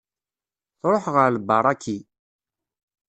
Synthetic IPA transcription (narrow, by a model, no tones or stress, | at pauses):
θɾˤoħʁəɾlbɑɾˤɑkʰːi